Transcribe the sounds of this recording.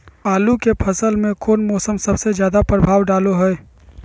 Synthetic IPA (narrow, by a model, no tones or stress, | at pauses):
aːlukepʰɐsəlmẽkʰoːnmɔːsəmsɐbsezjaːd̪apɾəbʱaːʋwɖaːloɦɛɛ